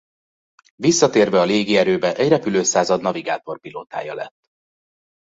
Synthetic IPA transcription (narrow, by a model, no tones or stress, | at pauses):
visːɒt̪eːrvɛɒleːɡiɛɾøːbɛʔɛɟrɛpyløːsaːzɒd̪nɒviɡa̰ːt̪o̞rpiloːt̪a̰ːjɒlɛ̰t̪ː